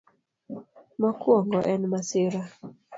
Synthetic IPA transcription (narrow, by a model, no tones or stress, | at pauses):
makwɔŋɡɔʔɛnmasɪɾa